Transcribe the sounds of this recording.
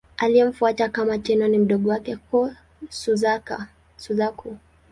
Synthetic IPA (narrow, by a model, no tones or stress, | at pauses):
aliɛm̩fuatakamat͡ʃɛnɔnim̩ɗɔɠɔwakɛkɔ | suzaka̰ | suzaku